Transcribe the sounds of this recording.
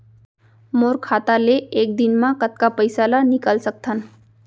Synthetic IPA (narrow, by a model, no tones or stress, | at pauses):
moɾkʰat̪aleek̚d̪inmãkət̪̚kapəjsalanikəlsək̚t̪ʰən